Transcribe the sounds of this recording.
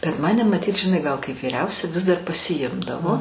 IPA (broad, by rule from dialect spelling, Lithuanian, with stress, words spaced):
bʲɛt ˈmɑːnʲɛ mɐˈtʲiːt ʒʲɪˈnɐɪ ˈɡɐlˠ kɐɪp ʋʲiːˈrʲɛʊsʲɛ ˈʋʲɪs dɐr pɐsʲɪˈjɪmdɐʋoː